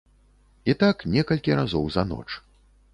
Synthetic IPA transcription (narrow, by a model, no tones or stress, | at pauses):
it̪aknʲɛkɐlʲkʲiɾazɔwzɐnɔ̰t͡ʂ